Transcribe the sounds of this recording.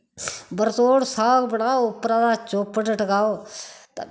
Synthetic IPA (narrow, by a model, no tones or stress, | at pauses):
bəɾt̪oːɽsaːkbəɽaːoʊpɾãːd̪aːt͡ʃoːpəʈəʈɡaːoːt̪